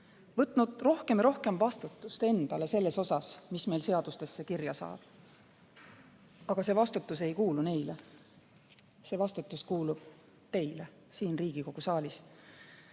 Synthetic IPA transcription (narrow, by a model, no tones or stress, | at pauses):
vɤt̪ˑnud̪̥ro̞hke̞miɾo̞hke̞mvɑst̪ut̪ːˑust̪e̞nd̪̥ɑle̞se̞lːe̞so̞sɑsmisme̞jlse̞ɑd̪̥ust̪e̞sːekirjɑsɑ̰ːb̥ | ɑɡ̥ɑse̞vɑst̪ut̪ːˑuse̞jkuːlune̞jle | se̞vɑst̪ut̪ːˑuskuːlub̥ | t̪e̞jle | siːnriːɡ̥iko̞ɡ̥usɑːlʲis